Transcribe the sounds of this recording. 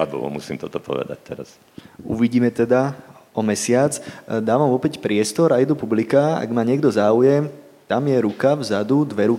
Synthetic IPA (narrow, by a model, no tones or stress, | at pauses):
ad̪ṵlɔ̰mṵsḭːmt̪ɔt̪ɔpɔ̰ʋɛ̰d̪a̰c̚t̪ɛɾa̰s | ṵʋiɟiːmɛt̪ɛd̪aɔmɛsɪat͡sd̪aːʋamʋɔpɛcpɾɪɛst̪ɔɾajd̪upublikaa̰ɡmaɲɪɛɡd̪ɔzaːujɛm | t̪amjɛɾukavzad̪ud̪ʋɛɾu